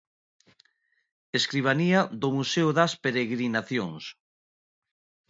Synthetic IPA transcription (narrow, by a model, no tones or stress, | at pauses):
eskɾiβ̞aniaðʊmuseoðaspeɾeɣɾinaθjoŋs